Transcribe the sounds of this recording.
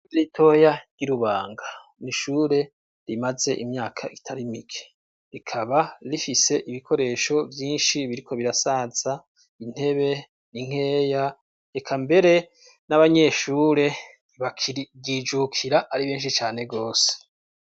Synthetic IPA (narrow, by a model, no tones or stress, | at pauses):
ɾitʰo̞jaɡ̥iɾuβaːŋɡa | niʃuːɾe̞ | ɾimaze̞ʔimɲaːkʰaitʰaɾimiɡe̥ | ɾikʰaβaɾifise̞ʔiβikʰo̞ɾe̞ːʃo̞vjiːnʃiβiɾikʰo̞βiɾasaːz̥a | in̥he̞βe̞ | niŋ̥e̞ːja | ekʰambe̞ɾe̞ | naβaɲe̞ʃuːɾe̞ | βakɡid͡ʒukʰiɾaʔaɾiβeːnʃ̬it͡ʃaːne̞ɡoːse̥